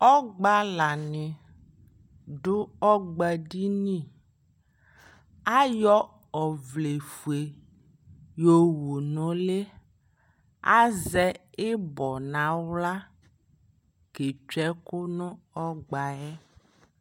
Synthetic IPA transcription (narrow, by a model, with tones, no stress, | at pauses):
ɔ˦ɡ͡ba˦la˨nɪ̃˨ | ɖʊ˦ɔ˦ɡ͡ba˨ɖi˦nĩ˦˨ | a˦jɔ˦ | ɔ˨vle˨fu˨e˨ | jo˨wo˨nɔ̃˨le˦ | a̰˦zɛ˦e˦bɔ˨nã˨wla˦ | ke˨t͡ʃɛ˦kʊ˦nʊ̃˦ɔ˦ɡ͡ba˨ɛ˦